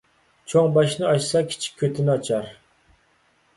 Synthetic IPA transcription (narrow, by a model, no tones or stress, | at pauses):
t͡ʃʰoŋbɑʃnɨɑʃsɑkʲʰi̥t͡ʃʰi̥k̚ʲʰːøt̪ʰɪnɪɑt͡ʃʰɑɾ